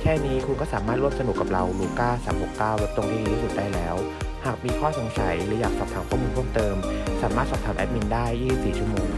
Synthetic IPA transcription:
kʰɛː˥˩niː˦˥kʰu˧nkɔː˥˩saː˩˦maː˥˩t̪ɾu˥˩əmsa˧nu˨˩kːa˨˩p̚ɾa˧wluː˧kaː˥˩saː˩˦mho˨˩kːaː˥˩wdo˦˥t̪o˧ŋt̪ʰaː˥˩˨iː˧˩ɾuː˦˥su˨˩t̪̚daː˧˥˩lɛː˦˥w | haː˨˩k̚miː˧kʰɔː˥˩so˩˦ŋsʰa˨˩˦jlɯː˩˦jaː˨˩k̚sɔː˨˩p̚t̪ʰaː˩˦mpʰɔː˥˩˨muː˧pʰu˥˩ə˨mt̪ɤː˧msaː˨˩˦maː˥˩t̪̚sɔː˨˩t̪ʰaː˨˩˦mʔɛ̰˦˥t̪̚mi˧ndaː˥˩jːiː˥˩si˨˩p̚siː˨˩t͡ɕʰu˥˩ə˩moː˧ŋ

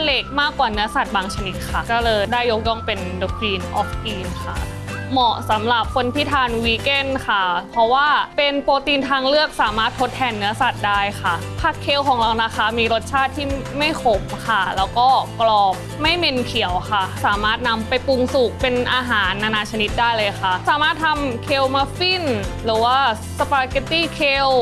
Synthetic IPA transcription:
le˦˥k̚maː˥˩kːwaː˨˩nɯ˦˥ɐsa˨˩t̪̚baː˧ŋt͡ɕʰa˧ni˦˥t̪̚kʰa˥˩kɔː˥˩lɤː˧jdaː˥˩jːo˦˥k̚jɔ˥˩ŋpe˧ndoː˨˧˥kɾiː˧nʔɔ̰ː˦˥fʔiː˧nkʰa̰˥˩ | mɔ˨˩sa˩˦mɾa˨˩p̚kʰo˧npʰi˦˥t̪ʰaː˧nwiː˦ke˥˩nkʰa˩pʰɔ˦˥waː˥˩pe˧npoː˧t̪iː˧nt̪ʰaː˧ŋlɯ˥˩ək̚saː˨˩˦maː˥˩t̪ʰːo˦˥t̪ʰːɛː˧nːɯ˦˥ɐsa˨˩t̪̚daː˥˩jxʰa˥˩ | pʰaː˥˩kʰːeː˧wkʰɔː˩˦ŋɾa˧wna˧˩xa˧˩miː˧ɾo˦˥t̪̚t͡ɕʰaː˥˩t̪ʰːiː˥˩ma˥˩jpʰo˩˦mkʰa˥˩lɛː˦˥wkɔː˥˩klɔː˨˩p̚ma˥˩jme˧nkʰi˨˩˦əwxʰa˥˩saː˩˦maː˥˩t̪̚na˧mpa˧jpu˧ŋsu˨˩k̚pe˧nʔaː˧ɦaː˩˦nʔaː˧naː˧t͡ɕʰa˧ni˦˥t̪̚daː˥˩jlɤː˧jxa˥˩saː˩˦maː˥˩t̪ʰːa˧mkʰeː˧wmaː˧fi˥˩nɾɯː˩˦waː˥˩ | sa˧paː˧ke˧t̪iː˥˩kʰeː˧w

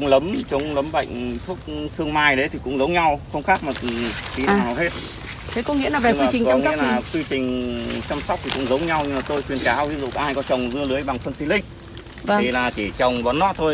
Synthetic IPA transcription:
ŋ͡mlə˨˦mt͡ɕə˨˦wŋ͡mlə˨˦mɓə̰˧˨jŋ̟t̪ʰu˦˥ək̚sɨ˧əŋmaː˧jɗə˨˦t̪ʰi˨˩kʊ̰˧˥ŋ͡mzə˨˦wŋ͡mɲa˧wxə˧wŋ͡mxaː˦˥k̚maː˨˩˨t̪i˨˦na̰˨˧˨nː˨aː˨˩whe˦˥t̚ | t̪ʰe˨˦kɔ˨˦ŋḭ˧˥əlaː˨˩ve˨˩˧iː˧˨˩t͡ɕi˨˩ŋkɔ˧˦˧ŋi˦˥əlaː˨˧˩kwi˧t͡ɕï˨˩ŋ̟t͡ɕa˧msa˦˥k͡p̚t̪i˨˩kʊ̰˧˥ŋ͡mzə˨˦wŋ͡mɲa˧wɲɨ˧maː˨˩t̪o˧jkwi˨˩ənkaː˨˦wvi˧˥ənzṵ˧˨kːhaː˧jkɔ˨˦t͡ɕə˨˩wŋ͡mzɨ˧əlɨ˨˦əjɓa˨˩ŋfə˧nsi˧lï˧˨ŋ̟˧˩ | i˨˩laː˨˩t͡ɕi˧˩t͡ɕə˨˩wŋ͡mɓɔ˨˦nːɔ˧˥t̪ʰo˧j

